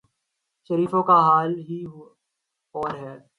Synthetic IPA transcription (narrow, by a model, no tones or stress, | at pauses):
ʃɐɾiːfõkaɦaːlɦiɦ | ɔːɾɦɛː